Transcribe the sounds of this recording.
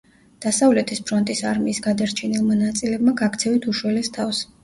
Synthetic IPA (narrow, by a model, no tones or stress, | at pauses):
d̪̥asavlɛt̪ʰispʰɾɔnt̪ʼisaɾmiːsɡad̪aɾt͡ʃʰɛnilˠmanat̪sʼilɛbmaɡakʰt̪sʰɛvit̪ʰuʃwɛlɛst̪ʰafs